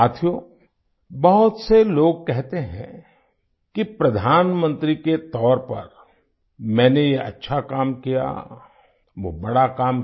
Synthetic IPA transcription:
aːt̪ʰijoː | bɐɦʊt̪seloːɡ̚kɛɦt̪eɦɛ̰̃ | kipɾɐd̪ʱaːnmə̃nt̪ɾiket̪ɔːɾpɐ̰ɾ | mɛ̃ːnejeʔɐ̰tːʃʰakaːmkija̰ | ʋobɐɽakaːm

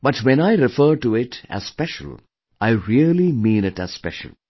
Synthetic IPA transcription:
bʌʈʋɛ̃naɪɾɪfəːɾʈuɪʈæ̰z̥spɛʃə̰l̩ | ʔaɪɾiəlimĩːnɪʈæ̰z̥spɛ̰ʃə̰l̩

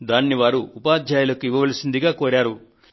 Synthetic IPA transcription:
d̪aːnːiʋaːɾuːpaːd̪ʱjaːjɐlɐkuiʋːɐʋɐlɐsind̪iɡaːkoːɾaːɾu

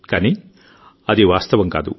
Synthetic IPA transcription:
kaːni | ɐd̪eʋaːst̪ɐʋɐŋka̰ːd̪ṵ

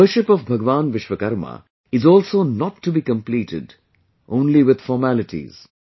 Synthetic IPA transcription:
əɾʃɪpɔvbʱɐɡʋãːnʋɪʃʋəkɐɾmə̰ | ɪzɔːlsoːnɔʈːubiːkə̃mpliːʈɪ̰ɖ | ʔõːnliʋɪd̪̥fɔːɾmælɪʈḭz̥

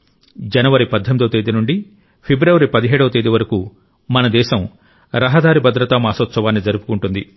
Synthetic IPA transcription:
d͡ʒɐnɐʋɐɾipɐd̪ʱːɐmid̪ɐʋt̪eːd̪inuɳɖi | pʰibɾɐʋɐɾipɐd̪iɦɛːɽɐʋɐt̪eːd̪iʋɐɾɐku | mɐnɐd̪ɛːʃɐm | ɾɐɦɐd̪aːɾibɐd̪ɾɐt̪aːmaːsɐt̪sɐʋaːnːid͡ʒɐɾupu̥kuɳʈund̪i

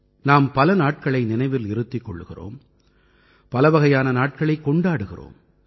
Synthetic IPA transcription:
naːmpɐlɐnaːʈ̚kɐɭɐɪnɪnɐɪʋɪlɪɾɯt̪ːɪkːɔ̰ɭːɯɣɪ̰ro̰ːm | pɐlɐʋɐɣɐjaːnɐnaːʈ̚kɐɭɐɪkːɔɳɖaːɽɯɣɪ̰ro̰ːm

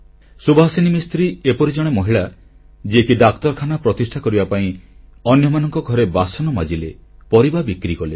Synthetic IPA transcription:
subɔɦsinimist̪ɾiepɔɾid͡ʒɔɽ̃emɔɦiɭa | d͡ʒiekiɖakt̪ɔɾkʰanapɾɔt̪isʈʰakɔɾibapaĩ | ɔnjɔmanɔŋkɔɡʱɔɾebasɔnɔmad͡ʒilepɔɾibabikɾikɔle

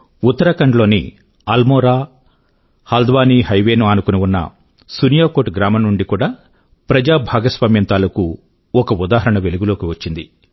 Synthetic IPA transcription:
ut̪ːɐɾɐkɐɳɖlo̞ːnḭ | ɐlmɔːɾaː | hɐld̪ʋaːniːɦɐjʋeːnuɐnukunuunːɐ̰ | sunijaːkoːʈɡɾaːmɐnːuɳɖikuːɽaː | pɾɐd͡ʒaːbʱaːɡɐsʋaːmjɐnt̪aːlɐku | ɔkɐud̪aːɦɐɾɐɳɐʋe̞luɡulo̞ːkiʋɐt͡ʃːind̪ḭ

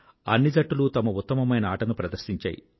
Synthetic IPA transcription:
ɐnːid͡ʒɐʈːulut̪ɐmɐut̪ːɐmɐmɐjnɐaːʈɐnupɾɐd̪ɐɾʃiɲt͡ʃa̰ːjḭ

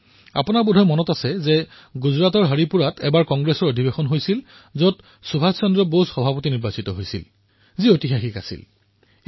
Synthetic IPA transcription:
a̰punaɹbudʱɔjmɔnɔtasɛzɛ | ɡuzɹatɔɹɦaɹipuɹatɛbaɹkɔŋɡɹesɔɹodʱibexɔnɦojsil | zɔt | subʱassɔndɹɔbosxɔbʱapotiniɹbasitɔɦojsḭl | ziotixaxika̰sḭl

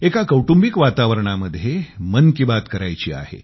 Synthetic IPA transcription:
ekakəwʈumbikʋat̪aʋəɾɳaməd̪ʱːjemənkibat̪kəɾajt͡ɕḭːa̰ɦḛ

